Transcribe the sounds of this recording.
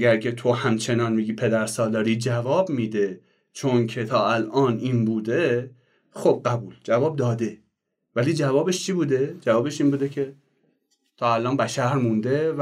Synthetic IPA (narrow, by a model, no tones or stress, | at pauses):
ɡæɾcʰʲe̞t̪ʰo̞hæmt͡ʃʰe̞nɒːnmiɡiːpʰe̞d̪æɾsɒːlɒːɾiːd͡ʒævɒːbmiːd̪e̞ | t͡ʃʰoncʰe̞t̪ʰɒːælʔɒːniːnbuːd̪e | xob̥̚ɢæbuːld͡ʒævɒːb̚d̪ɒːd̪e̞ | væliːd͡ʒævɒːbe̞ʃt͡ʃʰiːbuːd̪e̞d͡ʒævɒːbe̞ʃiːnbuːd̪ecʰe̞ | t̪ʰɒːælʔɒːnbæʃæɾmund̪e̞v